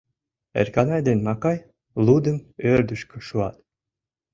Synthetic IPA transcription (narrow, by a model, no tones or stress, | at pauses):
ḛrʲkɑnɑjd̪enmɑkɑj | lˠud̪ə̆møɾd̪yʃkŏʃuɑt̪